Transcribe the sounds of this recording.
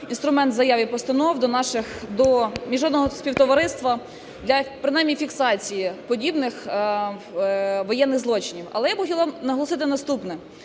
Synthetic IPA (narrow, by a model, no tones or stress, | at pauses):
inst̪ɾʊmɛnt̪zɐjɑʋʲipɔst̪ɐnɔwd̪ɔnɑʃɪxd̪ɔmʲiʒɔd̪nɔɦɔsʲpʲiwt̪ɔʋɐɾɪst̪ʋɐ | d̪lʲɐpɾɪnɑjmʲifʲiksɑt͡sʲijipɔdʲibnɪx | ʋɔjɛnːɪɣzlˠɔt͡ʃɪnʲiwɐ̰lˠɛjapʊxɔtʲilˠʋɑmnɐɦɔlˠɔsɪt̪ɪnɐst̪upnɛ